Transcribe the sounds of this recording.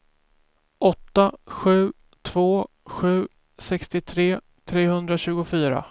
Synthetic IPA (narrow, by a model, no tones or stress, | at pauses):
ʔɔt̪ːaɧʉ̟ː | t̪ʰv̥oː | ɧʉ̟ː | sɛkst̪ɪt̪ʰɾeː | t̪ʰɾeːhɵnd̪ɾaɕʉ̟ːɡʊfyːɾa̰